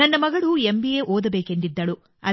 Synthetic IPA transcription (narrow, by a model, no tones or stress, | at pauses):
ɐnːɐmɐɡɐɭuembijeːʔoːd̪ɐbe̞ːke̞nd̪id̪ːɐɭu | ɐ̰